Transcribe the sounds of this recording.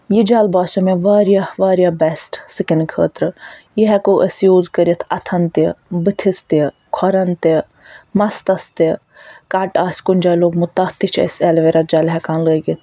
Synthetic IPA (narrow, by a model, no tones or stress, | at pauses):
jid͡ʒaːlbaːsumeʋaːɾjaʋaːɾʲjaːbɛsʈsikɪnɖkʰə̰ːt̪ɾɨjiɦɛkoːʔəsjoːzkəɾʲjit̪ʰɐt̪ʰɐnt̪ibɨt̪ʰist̪i | kʰɔɾɐnt̪e | mɐst̪ɐst̪e | kaːʈaːsʲkunʲd͡ʒaːloːɡmut̪ːat̪it͡ʃʰɐ̰sʲɛlʋeɾɐt̪̚d͡ʒaːlɦɛkãːnləːɡit̪ʰ